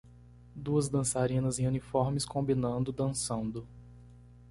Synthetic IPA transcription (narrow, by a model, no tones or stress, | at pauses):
d̪uɐzd̪ɐ̃saɾĩnɐzẽj̃ũnifɔɾmɪskõbinɐ̃nd̪ʊd̪ɐ̃sɐ̃nd̪ʊ